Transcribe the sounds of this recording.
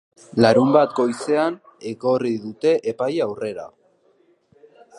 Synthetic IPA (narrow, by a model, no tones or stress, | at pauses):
laɾumbat̪ɡo̞jse̞an | e̞ko̞riðut̪e̞ʔepajawre̞ɾa̰